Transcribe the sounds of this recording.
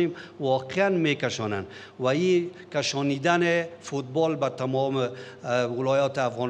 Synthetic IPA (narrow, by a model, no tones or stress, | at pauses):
emwɔqeanmekaʃɔna̰n | wai | kaʃɔnid̪anɪfut̪̚bɔlbat̪amɔmewɪlɔjɔt̪ɪafɣɔn